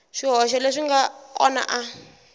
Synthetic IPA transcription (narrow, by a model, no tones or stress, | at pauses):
ʂiɦɔʃɛleʂiŋɡaɔ̰na̰ʔa